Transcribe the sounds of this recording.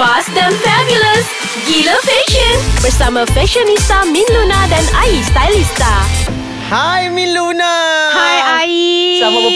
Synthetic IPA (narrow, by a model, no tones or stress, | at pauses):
asd̪ə̃nfɛbjuləs | ɡiləfɛʃə̃nb̥əɾsamafɛʃənist̪amĩnlunadãnaist̪ajlist̪a | hajmĩnlunahajaisamabə